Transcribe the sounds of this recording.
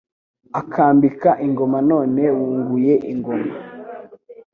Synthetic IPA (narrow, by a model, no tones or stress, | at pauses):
akʰaːmbikaʔiŋɡo̞mano̞ːne̞wuːŋɡuje̞ʔiŋɡo̞ma